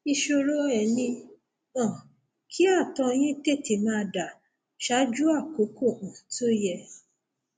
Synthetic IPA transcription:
i˧ʃo˧ɾo˦ɛ˨nĩ˧ | ɔ̃˨ | kʰi˦a˦˨tɔ̃˧j̃ĩ˦te˦˨ti˨mãː˧da˨ | ʃa˦d͡ʒu˦a˦˨ko˨˦ko˦˨ʔũ˨to˦jɛ˧

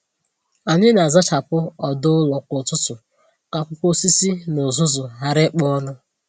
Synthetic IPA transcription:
a˨ɲɪ˦na˨za˦t͡ʃa˨pʊ˦ɔ˨dʊ˦lɔ˨kʊ˨tʊ˦tʊ˨ | ka˨kʷʊ˦kʷo˦si˦si˦nʊ˨zʊ˦zʊ˨ɦa˦ɾɪ˦k͡pɔ˦nʊ˦

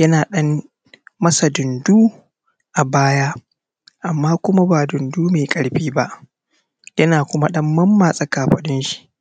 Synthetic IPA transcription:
jɐ˦naː˨ɗɐ˦mː | ɐ˦sa˨dʊ˨nduː˦ | ʔa˨baː˦jaː˦ | ʔa˨mːaː˦kʷʊ˦ma˦baː˨dʊ˨nduː˦meː˨kʼɐ˨ɽɸiː˦ba˦ʔ | jɐ˦naː˨kʷʊ˦ma˦ɗɐ˦mːɐ˦mːaː˨sʼɐ˦kaː˨ɸɐ˨ɗɪ˦nʃi̥˨ʔ

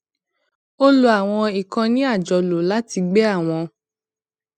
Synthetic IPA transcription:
o˦lo˧a˨w̃ɔ̃˧i˨kã˧nĩ˦a˦˨d͡ʒɔ˨lo˨la˦ti˧ɡ͡bɛ˦a˦˨w̃ɔ̃˧

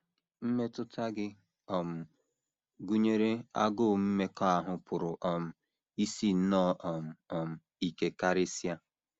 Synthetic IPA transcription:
m̩˦me˦tʊ˦tʰa˦ɡɪ˦ | ɔ˨m̩˨ | ɡu˦ɲe˦ɾe˦a̰˦ɡʊ˦˨m̩˦me˦kɔ˦a˨ɦʊ˨pʰʊ˨ɾʊ˨ʔɔ˨m̩˨ | i˦si˦n̩˦nɔ˦ʔɔ˨m̩˨ɔ˨m̩˨ | i˨ke˨ka˦ɾe˦sja˦

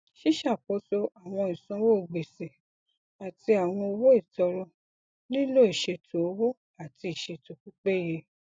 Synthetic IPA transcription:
ʃi˦ʃa˦˨k͡po˨˦so˦a˨w̃ɔ̃˧i˨sɔ̃˨˦wo˦o˨ɡ͡be˨se˨ | a˨ti˧a˨w̃ɔ̃˧o˧wo˦i˦˨tɔ˧ɾɔ˧ | nĩ˦lo˦i˨ʃe˧tʰo˨o˦wo˦ | a˨ti˧i˨ʃe˧to˨k͡pu˦k͡pe˦je˧

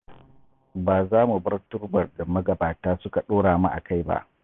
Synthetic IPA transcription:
baː˨zaː˦mu˨bɐ˦rtʊ˦rbɐ˨rda˨mɐ˦ɡɐ˨baː˨taː˦sʊ˦ka˨ɗoː˦ɽaː˨ma˦ʔa̰˨ka˦jba̰˦ʔ

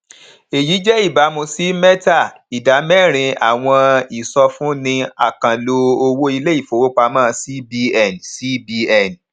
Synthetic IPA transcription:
e˨ji˨˦d͡ʒɛ˦i˦˨ba˨˦mũ˧si˨˦mɛ˦ta˦˨ | i˨da˨˦mɛ˦˨ɾ̃ĩ˧a˨w̃ɔ̃˧i˨sɔ˧fũ˦nĩ˧a̰˨kã˨lo˧o˧wo˦i˧le˦i˦˨fo˨wo˦k͡pa˧mãː˦˨˧si˦bi˧ɛ˦˨nsi˦bi˧ɛ˦˨n

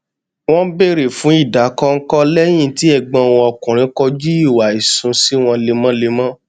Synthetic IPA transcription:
w̃ɔ̃˦be˦˨ɾe˨fũ˨˦i˦˨da˨˦kɔ˧ŋ̩˦kɔ˦lɛ˦j̃ĩ˦˧˨ti˨˦ɛ˦˧˨ɡ͡bɔ̃˧˦˨w̃ɔ̃˧ɔ˧˨kũ˨ɾ̃ĩ˨˦kɔ˧d͡ʒi˦i˦˨wa˨i˨sũ˧si˦w̃ɔ̃˧le˧mã˦le˧mã˦

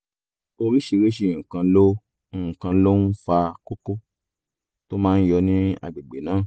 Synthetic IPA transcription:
o˧ɾi˦ʃi˧ɾe˦ʃ̬i˦˧˨kã˧˦lõ˦˨ | kã˧˦lo˦n̩˦fa˧ko˦ko˦ | to˦mãː˦˧n̩˦jɔ˧nĩ˦a̰˨˧ɡ͡be˨ɡ͡be˨nãː˨˦˨

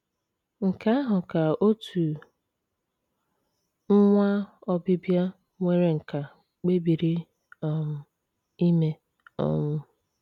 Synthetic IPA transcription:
ŋ̩˨ka˦a˦ɦʊ˨ka˨o˦tu˨ | m̩˦ŋʷa˦ɔ˦bi˦bja˦ | ŋʷe˦ɾe˨ŋ̩˨ka˨ | k͡pe˦bi˨ɾi˦ | ɔ˦mʊ˨ | i˦me˨ | ɔ̰˦mʊ˦

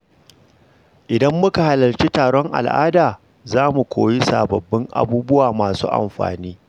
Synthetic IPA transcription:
ʔɪ˨dɐ˦mːʊ˦ka˨ha˨lɐ˨lt͡ʃi˦taː˨ɽɔ˦ŋʔa̰˨lʔa̰ː˦daː˨ | zaː˦mu˨kʷoː˨ji˦sa̰ː˨bɐ˨bːɪ˦ŋʔa̰˨buː˦bʊ˦waː˨maː˨sṵː˦ʔa̰˨mɸa̰ː˨niː˦

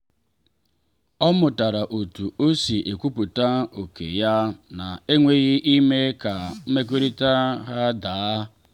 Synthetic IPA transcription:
ɔ˦mʊ˨ta˨ɾa˨ʔo˨tu˨o˦si˨ʔe˨kʷu˦pu˨ta˦o˨kḛ˨ja˦na˨e˦ŋʷe˦ɣɪ˦ʔi˦me˦ka˨m̩˦me˦k̬ʷe˦ɾi˦ta˦ɦa˦daː˨˦

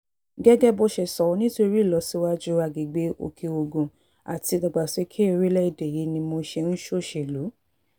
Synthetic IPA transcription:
ɡɛ˦ɡɛ˦bɔ˧ʃɛ˨sɔ˨ɔ˧˦nĩ˦to˦i˧ɾi˦˨lɔ˧˦si˦wa˦d͡ʒu˦a˧ɡi˨ɡ͡be˦o̰˧kʰe˧o˧ɡõ˨ | a̰˨ti˧ɡɔ˧˨ɡ͡ba˨se˨˦kʰe˦i˧ɾi˦lɛ˦i˦˨dɛ˨je˨˦nĩ˧mo˧˦ʃe˧n̩˦ʃo˦˨ʃe˨lu˨˦

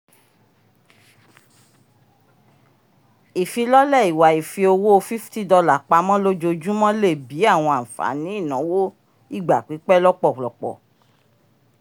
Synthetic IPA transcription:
i˨fi˧lɔ˦lɛ˦˨i˨wa˨i˨fi˧o˧wo˦o˧fi˦fti˦dɔ˧la˨k͡pa˧˦mɔ̃˦lo˦d͡ʒo˧d͡ʒu˦mɔ̃˦le˦˨bi˨˦a˦˨w̃ɔ̃˧ã˨fa̰˨˦nĩ˨˦i˦˨nɔ̃˨˦wo˦ | i˦˨ɡ͡ba˨k͡pi˨˦k͡pɛ˦lɔ˦k͡pɔ˦˨k͡plɔ˨k͡pɔ̰˨

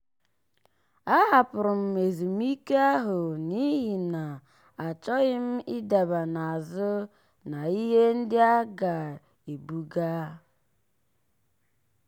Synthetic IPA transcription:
a˦ɦa˨pʊ˨ɾʊ˨m̩˨e˨zu˨m˦i˦ke˦a˦ɦʊ˨ni˦ɦi˨na˨ | a˨t͡ʃɔ˦ɣɪ˦m̩˦ɪ˦da˨ba˨na˨a˨zʊ˦ | na˨i˦ɦe˦n̩˦dɪ˦a˦ɡa˨ | e˨bu˦ɡa˦

